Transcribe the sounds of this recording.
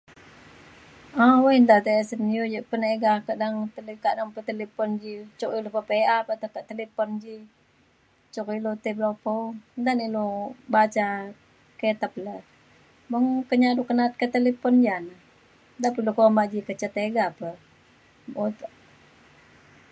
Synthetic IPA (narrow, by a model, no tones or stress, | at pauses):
awaind̪at̪esənijod͡ʒəʔpəneɡakadaŋt̪əlkaʔdaŋpət̪elepɔnd͡ʒit͡ʃukilupəpeapət̪at̪aʔt̪elepɔnd͡ʒi | t͡ʃukilut̪iblopɔnd̪anilubat͡ʃa | ket̪əp̚lə | bəŋkəɲadukənat̪̚kət̪elepɔnd͡ʒanə | d̪apilukomad͡ʒikət͡ʃət̪eɡapə | ot̪